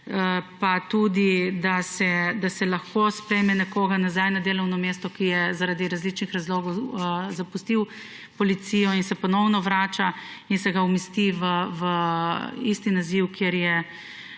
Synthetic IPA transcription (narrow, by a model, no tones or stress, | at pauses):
əpat̪ud̪id̪asɛd̪asɛlaxkospɾɛjmɛnɛkoːɡanazajnad̪eːlɔwnɔmeːst̪ɔkijɛzaɾad̪iɾazlit͡ʃnixɾazloːɡɔwzapust̪iw | pɔlit̪sijɔinsɛpɔnɔwnɔʋɾaːt͡ʃainsɛɡaumist̪iʋəʋə | ist̪inaziwkjeɾjɛ